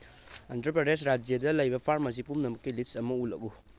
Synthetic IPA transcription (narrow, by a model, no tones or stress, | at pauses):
ɐntɐɾpɾɐdesɾad͡ʒjɐdɐlɐjbɐpʰaɾmɐs̬ipumnɐmɐkːilisɐmɐulɐ̰ku